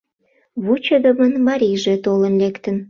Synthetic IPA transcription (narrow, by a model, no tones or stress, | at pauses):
βut͡ɕəβə̆mənmɑɾiʒet̪olənlekt̪ən